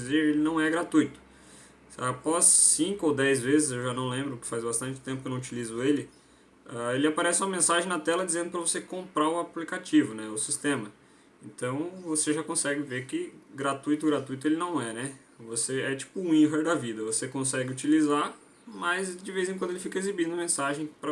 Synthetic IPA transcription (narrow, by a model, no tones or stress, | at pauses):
izeɾelɪnɐ̃w̃ɛɡɾat̪ujt̪ʊ̥ | apɔzːĩŋkʊowd̪ɛjzvezɪzewʒanɐ̃w̃lẽmbɾʊkɪ̥fajzbast̪ɐ̃nt͡ʃɪ̥t̪ẽpʊkenɐ̃ut͡ʃilizʊelɪ | aelɪapaɾɛsɪũmɐmẽsaʒẽj̃nat̪ɛlɐd͡ʒizẽnd̪ʊpɾɐvosekõmpɾaɾʊaplikat͡ʃivʊnɛʊsist̪ẽmɐ | ẽnt̪ɐ̃w̃voseʒakõsɛɡɪveɾkɪɡɾat̪ujt̪ʊɡɾat̪ujt̪ʊelɪnɐ̃w̃ɛnɛ | voseɛt͡ʃi̥pʊ̃ĩɦeɾd̪ɐvid̪ɐvosekõsɛɡɪut͡ʃiliza | mɐzd͡ʒɪvejzẽkd̪elɪfikɐezibĩnd̪ʊɐmẽsaʒẽj̃pɾɐ